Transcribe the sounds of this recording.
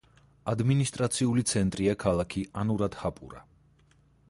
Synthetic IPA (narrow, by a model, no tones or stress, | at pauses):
ad̪minist̪ʼɾat̪sʰiulit̪sʰɛnt̪ʼɾiakʰalˠakʰianuɾad̪̥hapʼṵɾa̰